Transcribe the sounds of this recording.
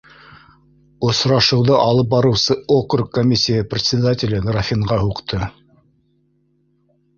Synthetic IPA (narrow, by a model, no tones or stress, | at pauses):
ŏsɾɑʃɤ̆wðɤʔɑlˠɤp̚bɑɾɤ̆wsɤokrkkːomʲisʲːijəprʲɪt̪ʲsʲɪd̪atʲɪlɘɡ̪rafʲiɴʁɑhuqt̪ʰɤ